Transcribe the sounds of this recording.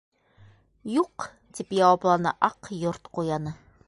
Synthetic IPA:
juq | t̪ipjɑwɑplˠɑnɤ̰ʔɑqjoɾt̪qujɑnɤ

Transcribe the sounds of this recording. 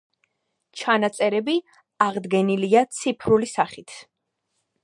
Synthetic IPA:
t͡ʃʰanat̪sʼɛɾɛbi | aʁd̪ɡɛniliat̪sʰipʰɾulisaχit̪ʰ

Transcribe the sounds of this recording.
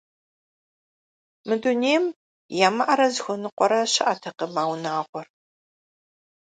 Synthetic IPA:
mɨduneːm | jaːmɐʔɐɾɐzxʷʊnɨqʷɔɾɐɕɐʔatʰɐqɐmaːwnaːʁʷɔr

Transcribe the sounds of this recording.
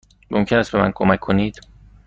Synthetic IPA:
mʔomcʰenæst̪̚be̞mæ̰nkʰomækʰːoniːd̪̥

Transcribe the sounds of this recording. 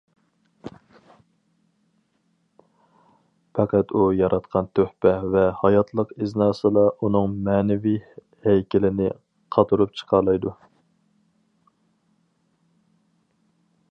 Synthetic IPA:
pʰɑqæt̪ujɑɾʔɑt̪qʰɑnt̪ʰøhpɛvɛhɑjɑt̪ʰlˠəqɪznɑːsɨlˠɑʔun̪ɨŋmɛːnɪvi | hɛjkʲɪlɪnɪ̰ | qʰɑt̪ʰuɾup̚t͡ʃʰə̥qʰɑɾlˠɑjd̪u

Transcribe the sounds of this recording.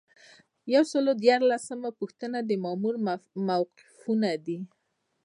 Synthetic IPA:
jawsəlod̪jɑɾlasəmapuxt̪ənad̪əmamuɾmawqɪ̥funad̪i

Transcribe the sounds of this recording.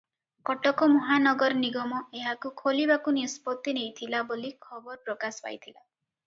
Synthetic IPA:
kɔʈɔkɔmuɦanɔɡɔɾɔniɡɔmɔeɦakukʰolibakunispɔt̪ːinejt̪ʰilabolikʰɔbɔɾɔpɾɔkasɔ̥pa̰jt̪ʰila

